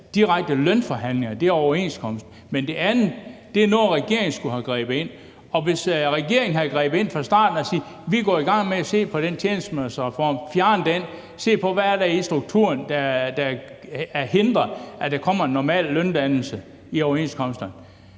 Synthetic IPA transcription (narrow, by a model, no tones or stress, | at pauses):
d̥iʁaɡ̥̚d̥əlœnfɒɦæn̰leŋɐd̥e̝æɐɒʊɐe̝nskʰɒ̽m̰sd̥ | mend̥e̝ʔænð̩ˠd̥e̝ænoːʁɛɡ̥e̝̰ɐ̰eŋn̩sɡ̥uhæɡ̥ʁḭːb̥̩e̝n̰ | ɒ̽ʋe̝sʁɛɡ̥e̝ɐ̰eŋn̩ɦæɡ̥ʁḭːb̥ð̩ˠe̝n̰fɑ̈sd̥ɑ̰̈ːd̥n̩ɒsiː | ʋiɡ̥ɒ̰ːiɡ̥ɑ̈ŋ̰meæse̝̰ːpʰɒ̽ɾ̥ent͡sʰjeːnəsd̥mesfɒːmfjæɐnəd̥en̰ | se̝̰ːpʰɒ̽ʋæːɐɾæisd̥ʁuɡ̥̚t͡sʰṵɐnd̥ɑd̥ɑæɐhe̝nd̥ʁɐæd̥ɑ̈kʰɒ̽m̰ɐe̝nːɒmɛ̰ːlːœnd̥ænl̩sə | iɒʊɐe̝nskʰɒ̽m̰sd̥ɐn